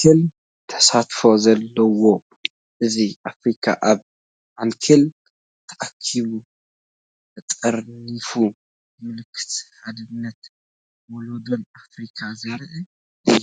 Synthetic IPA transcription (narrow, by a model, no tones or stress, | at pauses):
kʰel | t̪ʰɐ̥sat̪fozɐlːɐwo̞ | ʔɨziʔafɾikʰa̰ʔaβ | ʔankʰel | t̪ʰɐʔakʰːiβu | ɨt͡s̪ʼɐɾnifu | mɨlɨkʰːɨ̥t̪had̪ɨnːɐt̪ | wolod̪onafɾikʰazɐɾʔɨ